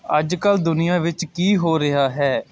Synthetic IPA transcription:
əd͡ʒkəld̪ʊnɪjãːʋɪt͡ʃkiːɦoːɾɪɦaːɦɛː

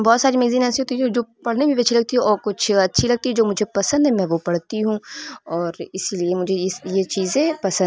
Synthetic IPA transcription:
bɔːt̪saːɾimeːɡziːnɛːseɦoːt̪id͡ʒoːpɐɽ̤nebʱĩbɐːʃʰilɐɡ̚t̪iɦɛ̃ʔɔːɾkʊt͡ʃʰɐtːʃʰilɐɡ̚t̪iɦɛd͡ʒoːmʊd͡ʒʱepɐsə̃nd̪ɦɛmɛ̃ːʋopɐɽt̪iɦũɔːɾɪsiliemʊd͡ʒʱejet͡ʃiːzẽpɐsə̃

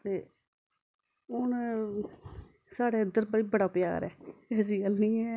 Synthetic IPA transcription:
t̪eː | ʊn | saːɽeːəd̪əɾbəɽiːbəɽaːpja̰ːɾɛ̰ːɛːsiːəlnĩːɛː

